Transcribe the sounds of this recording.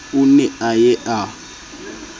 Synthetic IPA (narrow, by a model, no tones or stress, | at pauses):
unɛajɛʔa